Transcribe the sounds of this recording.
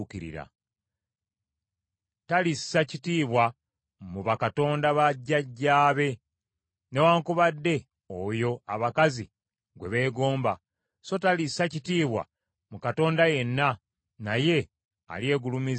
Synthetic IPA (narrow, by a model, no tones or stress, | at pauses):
kiɾḭɾa̰ | talisːacitiːβwa | muβakato̞ːndaβaɟːaɟːaːβe̞ | ne̞waːŋkuβadːe̞ | ojo̞aβakazi | ɡwe̞βe̞ːɡo̞ːmba | so̞talisːacitiːβwa̰ | mukato̞ːndaje̞nːa | naje̞ | a̰lje̞ːɡulumiz